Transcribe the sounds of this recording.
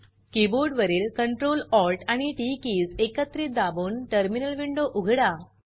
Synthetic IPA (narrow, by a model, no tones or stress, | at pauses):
kiboɾɖʋəɾiːlkəɳʈɾolɔlʈaɽ̃iʈikiːsekət̪ːɾiːt̪̚d̪abuːnʈəɾminəlʋiɳɖoʔuɡʱɽa